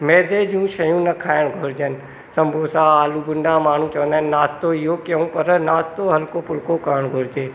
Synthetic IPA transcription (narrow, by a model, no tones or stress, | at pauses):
mɛːd̪eːd͡ʒũːʃɐjũːnɐkʰaːɪɽ̃ɡʱʊːɾd͡ʒənɪ̆ | sɐ̃mbʱoːsaːaːluːbʊɳɖamaːɳ̤ũt͡ʃɐʋə̃nd̪aːnnaːst̪oɪɦokjɐũːpɐɾnaːst̪oɦɐlkoːpʊlkokaːɽ̃ɡʱoɾɪd͡ʒeː